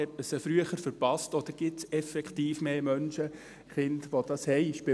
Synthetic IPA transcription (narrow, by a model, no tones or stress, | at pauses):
ɛtməsəfɾyəχəɾfəɾpɑstɔd̪̥əɾɡ̥ɪtsɛfɛkχtiːfmeːmœnʃə | χɪndʋod̥̪ɑshɛɪʃpɪ